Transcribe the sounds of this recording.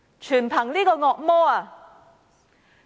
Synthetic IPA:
t͡ʃʰyː˨˩npʰɐ˨˩ŋliː˥kɔː˧ŋɔː˨˧k̚mɔː˥aː˨˩

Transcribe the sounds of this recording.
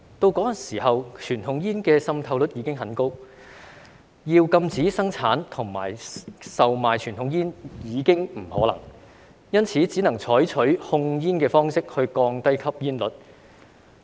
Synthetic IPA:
t̪o˧wkɔː˨˥jɐ˨˩nsiː˨˩hɐ˨wt͡ʃʰyː˨˩nʰʊ˨˥ŋjiː˥nkɛː˧sɐ˧mt̪ʰɐ˨˧wlɵ˨˥t̚jiː˨˧kɪ˥ŋɦɐ˨˥nko˥w | jiː˧wkɐ˧mt͡siː˨˥sɐ˥ŋt͡sʰaː˨˥nt̪ʰʊ˨˩ŋma̰ː˨˩jsɐ˨wmaː˨jt͡ʃʰyː˨˩nt̪ʰʊ˨˧˥ŋjiː˥njiː˨˧kɪ˥ŋm̩˨˩hɔ̰ː˨˥lɐ̰˨˩ŋ | jɐ˥nt͡sʰiː˨˥t͡siː˨˥nɐ˨˩ŋt͡ʃʰɔː˨˥jt͡ʃʰɵ˨˥ɥhʊ˧ŋjiː˥nkɛː˧fɔː˥ŋsɪ˥k̚hɵ˧ɥkɔː˧ŋt̪ɐ˥jkʰɐ˥p̚jiː˥nlɵ˨˥t̚

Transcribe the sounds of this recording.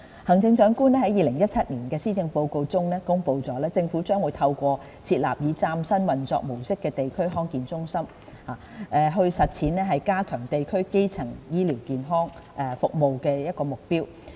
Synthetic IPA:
hɐ˨˩ŋt͡sɪ˧ŋt͡ʃœː˨˥ŋkuː˥nɛː˥hɐ˨˥jiː˨˧lɪ˨˩ŋjɐ˥t̚t͡sʰɐ˥t̚niː˨˩nkɛː˧siː˥t͡sɪ˧ŋpo˧wko˧wt͡sʊ˥ŋnɛː˥kʊ˥ŋpo˧wt͡sɔː˨˥lɛː˥t͡sɪ˧ŋfuː˨˥t͡ʃœː˥ŋwu˨˧jt̪ʰɐ˧wkʷɔː˧ | t͡sʰiː˧t̚la̰ː˨p̚jiː˨˧t͡saː˧msɐ˥nwɐ˨nt͡sɔ̰ː˧k̚mo˨˩wsɪ˥kːɛː˧t̪e˨jkʰɵ˥ɥɦɔː˥ŋkiː˨nt͡sʊ˥ŋsɐ˥m | haː˨˩ | ʔɛ˨˧ɦɵ˧ɥsɐ˨t̚t͡sʰiː˨˥nɛː˥ɦɐ˨jkaː˥kʰœː˨˩ŋt̪e˨jkʰɵ˥ɥke˥jt͡sʰɐ˨˩ŋjiː˥liː˨˩wkiː˨nɦɔː˥ŋ | ʔɛ˨fʊ˨k̚mo˨wkɛː˧jɐ˥t̚kɔː˧mʊ˨k̚piː˥w

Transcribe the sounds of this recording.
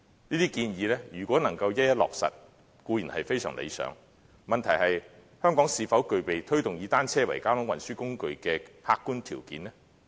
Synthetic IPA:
niː˥t̪iː˥kiː˧njiː˨˧lɛː˥jyː˨˩kʷwɔː˨˥nɐ˨˩ŋkɐ˧wjɐ˥t̚jɐ˥t̚lɔ̰ː˨k̚sɐ̰˨t̚ | kuː˨˧jiː˨˩nhɐ˨jfe˥jsœ̰ː˨˩ŋlʔḛ˨˧jsœ̰ː˨˧˥ŋ | mɐ˨nt̪ʰɐ˨˩jhɐ˨j | hœː˥ŋkɔː˨˥ŋsiː˨˧fɐ˨˥wkɵ˨ɥpe˨jt̪ʰɵ˥ɥt̪ʊ˨ŋjiː˨˧t̪aː˥nt͡sʰɛː˥wɐ˨˩jkaː˥hʊ˨˥ŋwɐ˨nsyː˥kʊ˥ŋkɵ˨ɥkɛː˧haː˧kːuː˥nt̪ʰiː˨˩wkḭː˨˥nɛ˥

